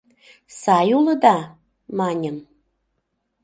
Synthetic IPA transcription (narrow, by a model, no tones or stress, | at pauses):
sɑjuləd̪ɑ | mɑnʲəm